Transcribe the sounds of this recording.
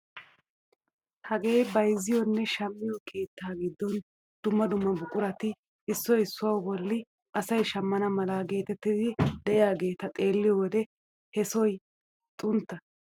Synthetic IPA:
hɐɡe̞ːjbɐjzːɪjɔnːɛʃɐmːɪjɔkʰe̞ːt̪ːaːɡɪd̪ːɔn | d̪̥ʊmːɐd̪ʊmːɐbʊkʼʊɾɐt̪ɪ | ɪsːɔjɪsːʊwɐwbɔlːɪ | ʔɐsɐjʃɐmːɐnɐmɐlɐɡe̞ːt̪ɛt̪ːɪd̪ɪd̪ɛʔɪjaːɡe̞ːt̪ɐt̪ʼe̞ːlːɪjɔwɔd̪ɛ | hɛsɔj | t̪ʼʊnt̪ːɐ

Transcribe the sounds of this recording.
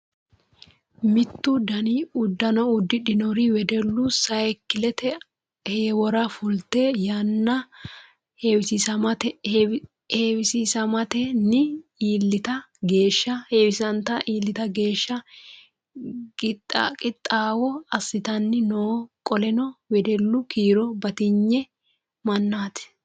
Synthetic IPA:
mɪt̪ːʊd̪ɐniʊd̪ːɐnɔʊd̪ːɪᶑɪnɔɾɪwɛd̪ɛlːʊsɐɛkːɪlɛt̪ɛ | heːwɔɾɐfʊlt̪ːejɐnːɐ | hewɪsisɐmɐt̪ | heːwɪsiːsɐmɐt̪ɛnɪiːlːɪt̪ɐ | ɡe̞ːʃːɐheːwɪsɐnt̪ɐʔiːlːɪt̪ɐɡe̞ːʃːɐ | kɪtʼːkʼɪt̪ʼːaːwɔɐsːɪt̪ɐnːɪnoːkʼɔlɛnɔwɛd̪ɛlːʊkiːɾɔbɐt̪ɪɲːɛ | mɐnːaːt̪ɛ̥

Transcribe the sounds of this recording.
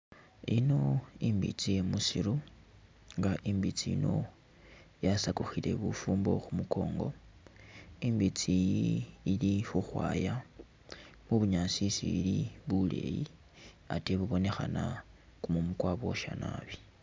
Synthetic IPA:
ino̞iːmbḭt͡sije̞musiɾu | ŋɡaʔimbit͡siḭno̞ | jasakuxile̞̰βufuːmbo̞̰xumuko̞ːŋɡo̞ | imbit͡siː | lixuxwa̰ːja | muβuɲasisiiliβule̞̰ji | ateβuβo̞ne̞xana | kumumukwaβo̞ʃa̰na̰βi

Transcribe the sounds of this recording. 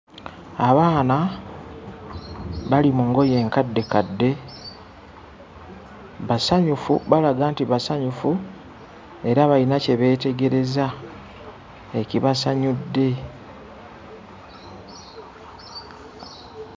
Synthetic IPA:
aβaːna | βalimuŋɡo̞je̞ːŋkadːe̞kadːe̞ | βasaɲufṵβalaɡaːntiβasaɲufu | e̞ɾaβainace̞βe̞ːte̞ɡe̞ɾe̞za | eciβasaɲudːe̞

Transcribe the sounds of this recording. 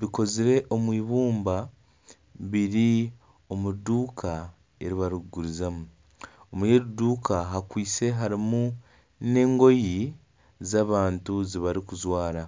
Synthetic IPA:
βiko̞ziɾe̞ʔo̞mwiːβuːmba | βiɾi | o̞muduːkʰa | e̞ɾiβaɾiɡuɾizamu | omujeɾuduːkʰaɦakwiːse̞ɦaɾimu | ne̞ːŋɡo̞ji | zaːβaːntuziβaɾikuzwaːɾa

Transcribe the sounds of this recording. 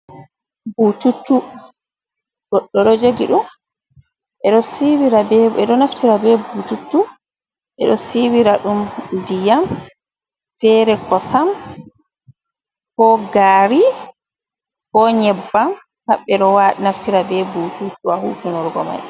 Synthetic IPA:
bututːu | ɡ̥ɔɗːɔɗɔd͡ʒeɡiɗum | ʔɛɗɔsiwiɾabɛɛɗɔnaftiɾabɛbututːu | ʔɛ̰ɗɔsiwiɾaɗumdijam | fɛːɾɛkɔsam | kɔɡaːɾi | kɔɲɛbːam | haɓːɛɗɔwaɗinaftiɾabɛbututːuwahuːtunɔɾɡɔ̰ma̰j

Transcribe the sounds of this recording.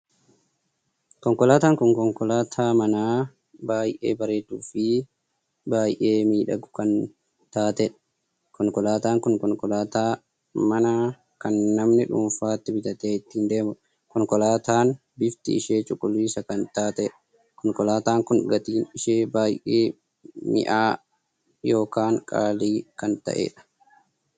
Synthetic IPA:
kɔŋkɔlaːt̪aːŋkɔŋkɔŋkɔlaːt̪ʰaːmɐnaː | baːjʔḛːbɐɾeːd̪uːfɪ | baːjʔe̞ːmiːᶑɐ̰ɡʊkɐn | t̪aːt̪ɛᶑɐ | kɔŋkɔlaːt̪aːŋkʊŋkɔŋkɔlaːt̪aː | mɐnaː | kɐnːɐmnɪᶑʊ̰ːmfaːt̪ːɪbɪt̪ɐt̪eːɪt̪ːiːnd̪e̞ːmʊᶑ | kɔŋkɔlaːt̪aːn | bɪft̪ɪ̰ɪʃeːt͡ʃʼʊkʼːʊliːsɐkɐnt̪aːt̪ɛᶑɐ | kɔŋkɔlaːt̪aːŋkʊnɡɐt̪iːnɪʃeːbaːjʔeː | mɪ̰ʔaː | jo̞ːkaːŋkʼa̰ːliːkɐnt̪ɐ̰ʔḛːᶑɐ̥

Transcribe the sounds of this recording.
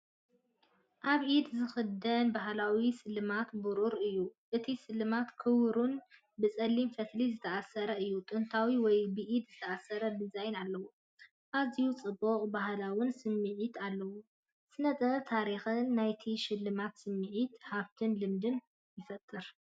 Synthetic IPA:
ʔaβʕid̪zɨxɨd̪ɐnbaɦlawisɨlːɨmat̪buɾuɾɨjːuʔɨt̪ʰisɨlːɨmat̪kʰɨwɾun | bɨt͡sʼɐlimfɐt̪lizɨt̪ʰɐasɐɾɐɨjːut̪ʼɨnt̪ʰawiwɔjbɨʔid̪zɨt̪ʰɐasɐɾɐd̪ɨzajnalːɐwu | ʔazijut͡sʼɨbːoqʼbahlawɨnsɨmːɨʕit̪ʰalːɐwu | z̥ɨnɐt̪ʼɐt̪ʰaɾixɨnːajt̪ʰiʃɪlːɨmat̪sɨmːɨʕit̪haβt̪ʰɨnlɨmd̪ɨn | jɪfɐt̪ʼːɨɾ

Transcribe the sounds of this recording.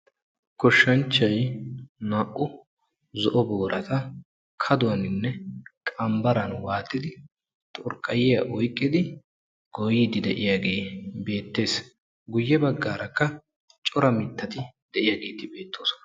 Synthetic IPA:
kɔʃːɐnt͡ʃːɐjnaːʔʊ | zɔʔɔboːɾʔɐt̪ɐ | kʰɐd̪ʊwɐnɪnːɛkʼɐmbɐɾɐnwaːt̪ːɪd̪ɪ | t̪ʼʊɾkʼːɐjɪjɐʔɔjkʼːɪd̪ɪ | ɡ̥ɔjɪd̪ɪd̪ɛʔɪjaːɡeːbe̞ːt̪ːe̞ːs | ɡʊjːɛbɐɡːaːɾʔɐkːɐ | t͡ʃʼɔɾɐmɪt̪ːɐt̪ɪd̪̥ɛʔɪjaːɡe̞ːt̪ɪbe̞ːt̪ʰːoːsɔ̥nɐ

